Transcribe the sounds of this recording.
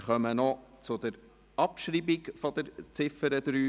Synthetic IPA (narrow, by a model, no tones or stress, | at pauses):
χœmənɔt͡sʊd̪əɾ | ʔɑpʃɾibikfɔd̪əɾt͡sɪfəɾəd̪ɾyː